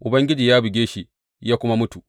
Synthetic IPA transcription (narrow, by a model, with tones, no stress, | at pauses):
ʔʊ˨bɐ˦ŋɡʲɪ˦d͡ʒiː˨jaː˦bɪ˨ɡʲeː˦ʃi˦ | jaː˦kʷʊ˦ma˦mʊ˦tu˨